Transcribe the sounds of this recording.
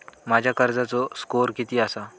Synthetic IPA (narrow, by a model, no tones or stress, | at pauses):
mad͡ʑʱjakəɾd͡zat͡sɔskoɾkit̪iːasa